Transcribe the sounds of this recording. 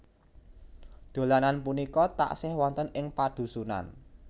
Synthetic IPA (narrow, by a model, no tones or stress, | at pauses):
d̪̥o̤lananpunikɔt̪a̰ʔsɪhwɔnt̪ənʔɪŋpad̪̥ṳsuna̰n